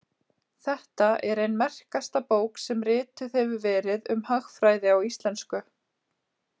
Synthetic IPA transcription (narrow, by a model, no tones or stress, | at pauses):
θɛht̪aʔɛɾejnmɛr̥kast̪apoːwksɛmrɪːt̪ʏðɛvʏvɛːɾɪðʏmhaxfɾaːjðɪawist̪lɛnskʏ